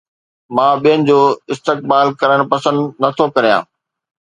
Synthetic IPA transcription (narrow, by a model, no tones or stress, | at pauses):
mãːɓijənɪ̆d͡ʑoːɪst̪ek̚baːlkɐɾəɽ̃pɐsə̃nd̪nɐt̪ʰokɐɾijã̰ː